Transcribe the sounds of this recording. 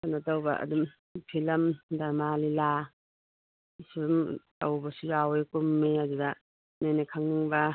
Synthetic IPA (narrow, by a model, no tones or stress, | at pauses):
kanatawbɐ̰ɐ̰dum | pʰilɐmdaɾmalila | suɾumtɐwbɐsujawjkumːeaduɡɐ | nojnakʰaŋniŋbɐ